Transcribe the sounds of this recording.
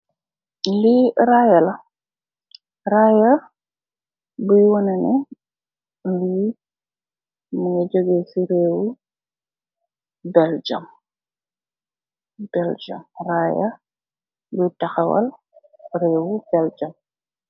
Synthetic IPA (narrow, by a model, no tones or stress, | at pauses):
liɾaːjɐlɐ | raːjɐ | bujwɔnɛnɛ | li | muŋɐd͡ʒoɡesiɾɛːwu | bɛld͡ʒɐm | b̥ɛld͡ʒɐ̰mraːjɐ̰ | butɐxɐwɐ̰l | ɾɛːwubɛld͡ʒɐm